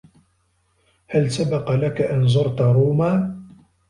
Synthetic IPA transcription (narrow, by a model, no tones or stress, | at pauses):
halsabɑqɑlakaʔanzˤʊɾˤt̪aɾˤuːmaː